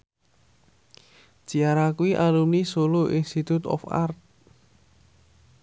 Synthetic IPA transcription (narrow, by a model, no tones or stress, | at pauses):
d͡ʒ̥i̤aɾakuiʔalumnisoloʔinst̪it̪ut̪ɔ̰fa̰rt̪̚